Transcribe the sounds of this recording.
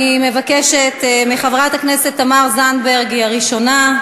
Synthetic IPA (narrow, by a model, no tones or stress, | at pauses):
ime̞vakeʃet̪miχavʁat̪aknese̞t̪ːamaʁzanbeʁɡiaʁiʃo̞na